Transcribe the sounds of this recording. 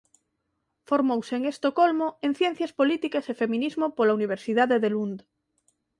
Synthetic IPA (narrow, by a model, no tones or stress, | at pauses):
foɾmowseːŋest̪okolmoeŋθjen̟θjɐspolit̪ikasefemĩnizmopolauniβ̞eɾsiðaðeðelund̪